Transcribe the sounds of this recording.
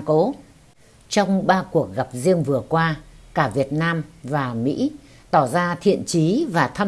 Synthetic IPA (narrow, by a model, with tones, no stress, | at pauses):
ko˨˦ | t͡ɕɔ˧wŋ͡mɓaː˧ku˨˩ək̚ɣa˨˩p̚zi˧əŋvɨ˨˩əkwaː˧kaː˧˩vi˨˩ət̚naː˧mvaː˨˩mḭ˧˥ | t̪ɔ˧˩zaː˧t̪ʰḭ˧˨ənt͡ɕi˨˦vaː˨˩t̪ʰa˧